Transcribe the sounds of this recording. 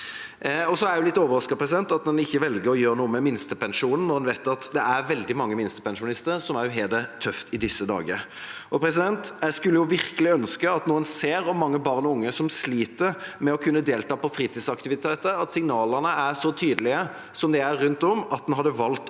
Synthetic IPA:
ɔsɔæɾjʊlɪt̪ːoːʋəɾʁɑskɑpʰʁɛs̬ɪd̪ɛnt̪ɑt̪̚d̪ɛnɪçːəʋɛlɡəɾɔjøːɾnuːəmɛmɪnst̪əpɛnʂuːnn̩ːɔd̪ɛnʋæɪt̪ɑt̪d̪ɛʔæɾʋɛld̪ɪmɑŋːəmɪnst̪ə̥pɛnʃʊnɪst̪əɾsɔmæɾjʊɦeːld̪ət̪ʰœft̪ʰɪd̪ɪsːəd̪ɑ̰ːɡəɾ | ʔɔpʰɾɛs̬ɪd̪ɛnt̪jæskʉlːəjʊʋɪɾkəlɪœnskəɑt̪nuːɛnseːɾɔmːɑŋːəbɑʁnɔʊŋːəsɔmsliːt̪əɾmɛɔkʰʉnːəd̪eːlt̪ɑːpɔfɾiːt̪ʰiːd̪sɑkt̪ɪʋɪt̪ʰeːt̪əɑt̪sɪŋnɑːləʁnəæʂɔt̪ʰyːd̪əlɪə | sɔmd̪ɛæɾːʉnt̪ɔmɑt̪̚d̪ɛnhɦɑd̪ːəʋɑlt̪

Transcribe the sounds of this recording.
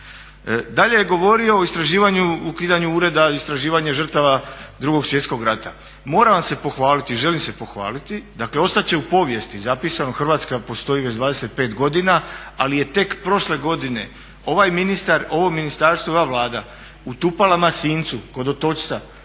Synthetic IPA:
d̪aʎe̞jeɡo̞ʋo̞ɾio̞oist̪ɾaʒiːʋaɲuukiːd̪aɲuuːɾe̞d̪aist̪ɾaʒiːʋaɲeʒr̩t̪aʋad̪ɾuɡo̞ɡsjet̪sko̞ɡɾat̪a | mo̞ːɾaʋamse̞po̞xʋaːlit̪iʒe̞limse̞po̞xʋa̰ːlit̪id̪akle̞o̞st̪at͡ɕe̞upo̞ʋje̞st̪izapiːsanoxr̩ʋaːt̪skapo̞st̪o̞jiʋed͡ʑd̪ʋaːd̪ese̞t̪̚pe̞ːt̪ɡo̞d̪inaalije̞t̪e̞kpɾo̞ʃle̞ɡo̞d̪ine̞̰ | o̞ʋajminist̪aɾo̞ʋo̞minist̪aɾst̪ʋooʋaʋlaːd̪a | ut̪upalamasiːnt̪suko̞d̪ot̪o̞t͡ʃt̪sa

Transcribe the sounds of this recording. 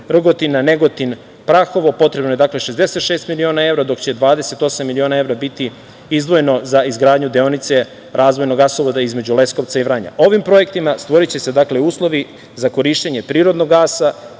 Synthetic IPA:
r̩ɡo̞t̪inːane̞ɡo̞t̪in | pɾaxo̞ʋo̞po̞t̪ɾe̞bno̞je̞d̪akle̞ʃezd̪ese̞t̪ʃeːst̪milio̞ːnae̞vɾad̪o̞kt͡ɕe̞d̪ʋaːd̪ese̞t̪o̞samːilio̞ːnae̞vɾabit̪i | izd̪ʋo̞jeno̞zaizɡɾaːd̪ɲud̪eo̞nit̪se̞ | ɾʔaːzʋo̞jnoɡasoʋod̪aizme̞d͡ʑulesko̞ʋt̪saiʋɾaɲa̰ʔo̞ʋimpɾo̞jekt̪imast̪ʋo̞ɾit͡ɕe̞se̞d̪aːkle̞uːslˠo̞ʋi | zako̞ɾiːʃt̪eɲe̞pɾiːɾo̞d̪noɡːaːsa

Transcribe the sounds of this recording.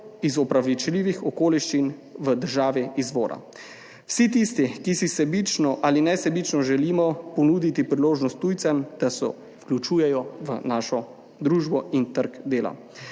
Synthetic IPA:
izɔpɾaʋit͡ʃliʋixɔkoːliʃt͡ʃinʋəd̪əɾʒaːʋiizʋo̰ːɾa̰ | wsit̪ist̪ikisisɛbit͡ʃnɔʔaːlinɛsɛbit͡ʃnɔʒɛliːmɔpɔnuːd̪it̪ipɾiloːʒnɔst̪ːuːjt̪sɛmd̪̥asɛ̰ | fklʲut͡ʃuːjɛjɔʋənaːʃɔ | d̪ɾuːʒbɔʔint̪əɾkd̪eːla̰

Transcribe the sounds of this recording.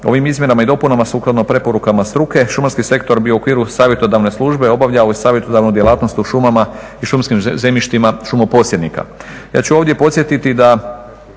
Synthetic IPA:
o̞ʋimizmje̞ɾamaid̪o̞punamasuːklˠad̪nopɾe̞po̞ɾukamast̪ɾuke̞ʃumaɾskise̞kt̪o̞ɾbiookʋiːɾusaːʋje̞t̪od̪aʋne̞slˠuʒbe̞o̞baʋʎaojsaːʋje̞t̪od̪aʋnud̪je̞lˠaːt̪no̞st̪uʃumama | iʃumskimze̞miʃt̪imaʃumopo̞tsjed̪nika̰ | ja̰ːt͡ɕuo̞ʋd̪je̞po̞t̪sje̞t̪it̪id̪a

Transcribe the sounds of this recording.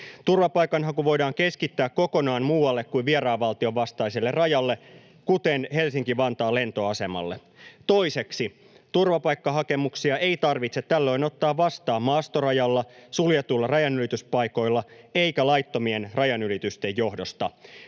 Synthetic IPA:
t̪urʋɑpɑjkɑnɦɑkuʋʋo̞jdɑːŋke̞skit̪ːæːkkːo̞ko̞nɑːnmuːwɑlːekkuiʋʋieɾɑːʋʋɑlt̪io̞ʋʋɑst̪ɑjselːerɑjɑlːe | kut̪enhe̞lsiŋkiʋɑnt̪ɑːle̞nt̪oɑse̞mɑ̰lːe | t̪o̞ise̞ksi | t̪urʋɑpɑjkːɑɦɑke̞muksiɑʔeit̪ɑrʋit̪set̪ːælːø̞ino̞t̪ːɑːʋʋɑst̪ɑːmmɑːst̪o̞rɑjɑlːɑsuljet̪ulːɑrɑjɑnylit̪yspɑjko̞jlːɑeikælɑjt̪ːo̞mienrɑjɑnylit̪yst̪e̞jːo̞hdo̞st̪ɑ

